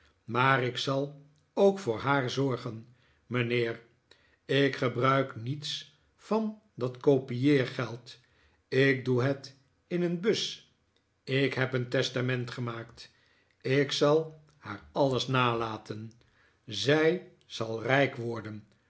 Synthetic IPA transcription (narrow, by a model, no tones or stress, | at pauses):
maːɾɪksɑlˠ | owkfʊːɹɦaːɹzɔɹχən | mənɪːr | ɪkχəbrœɥknits | fɑn | dɑtkowpijɪːɹχɛlˠt | ɪk̚duɦət | ɪnənbɵs | ɪkɦɛpəntɛstamɛntχəmaːkt | ɪksɑlˠ | haːɹɑləsnaːlaːtʰən | zɛj | z̥ɑlˠrɛjkʋɔɹdən